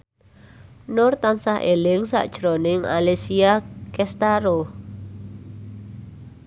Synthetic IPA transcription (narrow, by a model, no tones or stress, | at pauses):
nʊrt̪ansahʔelɪŋsa̰ʔd̥ʒ̥ɾonɪŋa̰lesiakɛst̪aɾo